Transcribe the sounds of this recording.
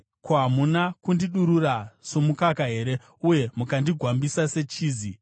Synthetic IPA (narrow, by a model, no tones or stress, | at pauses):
koɦamunakundiɗuɾurasomukakaɦe̞ɾe̞ | uje̞mukandiɡʱwambisase̞t͡ʃiːzi